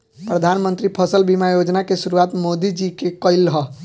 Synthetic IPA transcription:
pɾəd̪ʱanmənt̪ɾipʰəsəlbimajod͡ʒnakesʊɾuat̪mod̪id͡ʒikekəɪlɦɔ

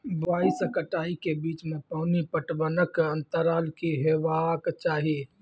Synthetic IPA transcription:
baːiskəʈaːikebiːt͡ʃmẽpaːnipəʈbənəkə̃nt̪əɾaːlkiɦeːʋakt͡ʃaːɦie

